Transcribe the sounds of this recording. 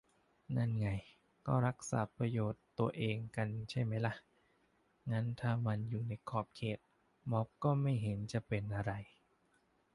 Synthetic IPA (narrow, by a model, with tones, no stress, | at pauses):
na˧˩˨nŋa˧j | kɔː˥˩ɾa˦˥k̚sa̰ː˩˦pɾa˧joː˨˩t̪ːu˧ɐʔeː˧ŋka˧nt͡ɕʰa˥˩jma˦˥jla˦˥ʔ | ŋa˦˥nt̪ʰaː˥˩ma˧njuː˨˩na˧jkʰɔː˦˩p̚kʰeː˨˩t̪̚ | mɔ˦˥p̚kɔː˥˩ma˥˩jɦe˩˦nt͡ɕa˨˩pe˧nʔa˧ɾa˧j